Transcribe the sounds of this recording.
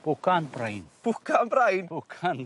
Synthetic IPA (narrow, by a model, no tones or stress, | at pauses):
b̥ʊkanbrajnb̥ʊkʰanbɾajnb̥ʊkʰan